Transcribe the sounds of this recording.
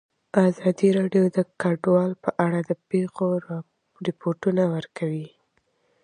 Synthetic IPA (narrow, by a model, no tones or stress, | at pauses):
ɑzɑd̪iɾɑɖjod̪əkaɖwɑlpəʔaɽad̪əpexo | ɾɪpoɾʈunawəɾkawi